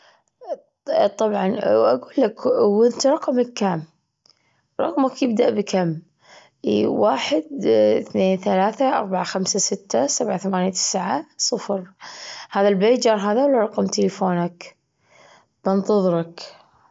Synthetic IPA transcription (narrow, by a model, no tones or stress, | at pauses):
t̪ˤːɑbʕɑnʔa̰ɡuːlːakwɪnt̪ɾˤɑqmakːam | ɾˤɑ̰qmakjɪb̚d̪aʔbɪkʰamː | waːħɪd̪θneːnθalaːθaʔɑ̰ɾˤbaʕaxamsasɪt̪ːasabʕaθamaːnjat̪ʰɪ̥sʕasˤɨfɾhaːðalbeːt̪̚d͡ʒɑːɾˤɦaːðawlːaɾˤɑqɑmt̪ʰɪlɪfoːnak | b̥ɪnt̪ˤɨðˤɾɑk